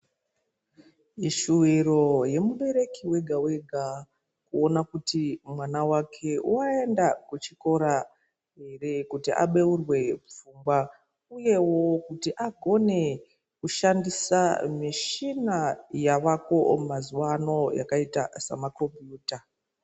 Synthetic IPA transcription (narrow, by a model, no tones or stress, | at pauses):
iʃuwiro̞je̞muɓe̞ɾe̞kiwe̞ɡʱawe̞ɡʱa | kuo̞nakutimwanawakʰe̞uae̞ndakut͡ʃiko̞ɾa | ɦe̞re̞kutiʔa̰ɓe̞urwe̞b͡vumbwa | uje̞wo̞kutiʔaɡʱo̞ne̞ | kuʃandisamiʃinajaʋako̞maziwano̞ja̰kaita̰sa̰makro̞mpbjuːta